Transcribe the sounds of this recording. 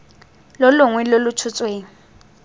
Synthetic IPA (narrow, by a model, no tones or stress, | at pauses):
lɔlʊŋwɛlolʊt͡ʃʰʊt͡sʼweːŋ̩